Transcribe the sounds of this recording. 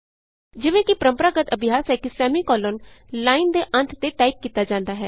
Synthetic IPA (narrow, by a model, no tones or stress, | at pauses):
d͡ʒɪʋẽːkɪpəɾəmpəɾaːɡət̪əbʱɪjaːsɦɛːkɪsɛːmiːkɔːlonlaːind̪eːʔə̃nt̪ʰt̪eːʈaːip̚kiːt̪aːd͡ʒãːnd̪aːɦɛː